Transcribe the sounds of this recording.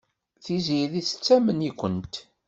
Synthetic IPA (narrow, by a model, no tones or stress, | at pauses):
θiziðiθə̥t͡sːæmənikʷːənt̪